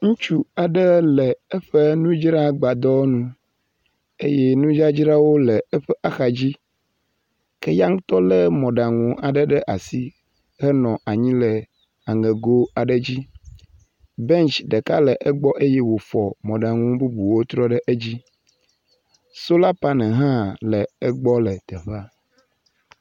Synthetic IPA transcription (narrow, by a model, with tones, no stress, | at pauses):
ŋũ˦t͡ʃu˦a˨ɖə˦lɛ˨ɛ˦ɸə˦nũ˦d͡ʒɾa˦ɡ͡ba˨d̪ɔ˦nũ˦ | e˦jɛ˦nũ˦d͡ʒa˦d͡ʒɾa˦wo˦lə˨ɛ˦ɸɛ˦ʔa˦xa˨d͡ʑi˦ | kɛ˦ja˦ŋ˦t̪ɔ˦lə˦mɔ̃˨ɖa˨ŋũ˨ʔa˨ɖə˦ɖɛ˦ʔa˨si˦ | ɣɛ˦nɔ̃˨ʔa˨ɲĩ˦lə˨ | a˨ŋɛ̃˨ɡo˦a˨ɖɛ˦d͡ʑi˦ | bɛ˦nt͡ʃɖɛ˨ka˦lɛ˨ʔɛ˦ɡ͡bɔ˦ʔe˦jɛ˦wo˨fɔ˨mɔ̃˨ɖa˨ŋũ˦bu˦bu˨wo˦t̪ɾɔ˦ɖɛ˦ʔe˦d͡ʑi˦ | so˦la˦pa˦nɛ̃˨ɦã˦lɛ˨ɛ˦ɡ͡bɔ˦lɛ˨t̪ɛ˨ɸa˦